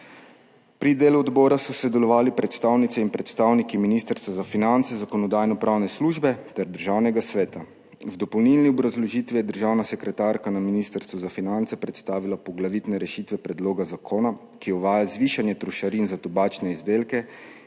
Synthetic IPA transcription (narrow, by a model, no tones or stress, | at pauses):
pɾid̪eːluɔd̪bɔːɾasɔsɛd̪ɛlɔʋaːlipɾɛt̪st̪awnit̪ɛinpɾɛt̪st̪awnikiminist̪əɾst̪ʋazafinant̪sɛzakɔnɔd̪aːjnɔpɾʔaːwnɛsluːʒbɛt̪ɛɾd̪əɾʒaːwnɛɡasʋɛːt̪a | wd̪ɔpɔwnilniɔbɾazlɔʒiːt̪ʋijɛd̪əɾʒaːwnasɛkɾɛt̪aːɾkanaminiːst̪əɾst̪ʋuzafinant̪sɛpɾɛt̪st̪aːʋilapɔɡlaʋit̪nɛɾɛʃit̪ʋɛpɾɛd̪loːɡazakʰoːna | kiɔʋaːjazʋiːʃanjɛt̪ɾuʃaɾinzat̪ɔbaːt͡ʃnɛizd̪eːlkɛ